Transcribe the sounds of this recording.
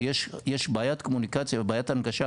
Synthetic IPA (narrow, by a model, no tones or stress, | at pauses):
jɛʃjɛʃbajat̪kʰomunikat͡sʰjabajat̪anɡaʃa